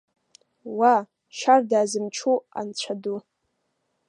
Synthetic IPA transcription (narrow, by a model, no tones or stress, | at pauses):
wa | ʃardaːzɨmt͡ʃʰua̰nt͡ɕʷʰadu